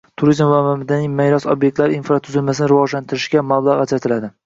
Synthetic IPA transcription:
t̪ʰʊɾizmvamamɪd̪animejɾɒsobjek̚ʲt̪laɾinfɾat̪ʰʊzɪlmasɪnɪɾɪvɒʒlant̪ʰɪɾɪʃɡʲamablˠaʁat͡ʃʰat̪ʰɪlad̪ɪ

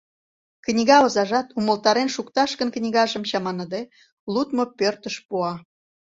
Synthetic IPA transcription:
knʲiɣɑozɑʒɑt̪uməlt̪ɑɾenʃukt̪ɑʃkənknʲiɣɑʒə̆mt͡ɕɑmɑnəd̪e | lut̪mopørt̪əʃpuɑ

